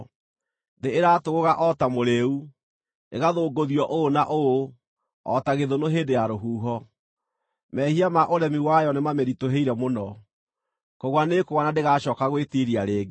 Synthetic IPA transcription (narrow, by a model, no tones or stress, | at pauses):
deeɾaːtoɣoɣaʔɔtamoɾeu | ḛɣaðoːɡoðiɔʔoːnaʔoo | ɔ̰taɣeðonoɦeːndejaɾoɦuːɦɔ | mɛhiamaʔoɾɛmiwajɔnemameɾitoɦeiɾɛmonɔ | kɔɣwanekoɣanandeɣaɕɔːkaɣwetiɾiaɾeːɡe